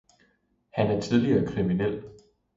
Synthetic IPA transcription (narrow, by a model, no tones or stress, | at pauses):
hænæɐt͡sʰið̞ˠliɐːkʰʁiminel̰